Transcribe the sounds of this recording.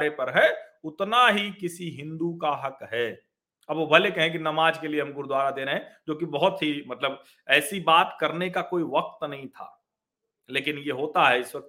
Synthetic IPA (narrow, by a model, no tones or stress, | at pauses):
ɾepɐɾɦɛʊt̪naɦikɪsiɦɪ̃nd̪ukaɦɐkɦɛː | ɐbobʱɐlekɛɦẽk̬inɐmaːd͡ʒkelieɦɐ̃mɡʊɾd̪waːɾad̪eːɾəɦɛ̃d͡ʒoːkibɐɦʊt̪ɦimɐt̪ləb | ɛːsibaːt̪kɐɾnekakoːiʋɐk̚t̪nɐɦĩt̪ʰa̰ː | leːkɪnjeɦoːt̪aɦɛɪswɐk̚t̪